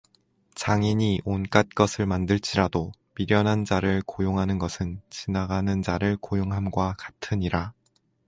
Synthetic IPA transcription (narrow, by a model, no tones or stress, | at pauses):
t͡ɕaŋiɲiʔonk͈at̚k͈ʌsʰɯɭmandɯɭt͡ɕ͈iɾado | miɾjʌnɦand͡ʑaɾɯɭkojoŋɦanɯnɡʌsʰɯnt͡ɕinaɡanɯnd͡ʑaɾɯɭkojoŋɦamɡwakḁtʰɯɲiɾa